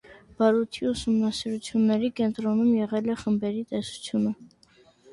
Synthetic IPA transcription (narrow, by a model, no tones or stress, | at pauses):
b̥ɑɾut̪ʰiusumnɑsiɾut͡sʰjunːɛɾikɛnt̪ɾɔnumjɛʁɛlɛχəmbɛɾit̪ɛsu̥t͡sʰjunə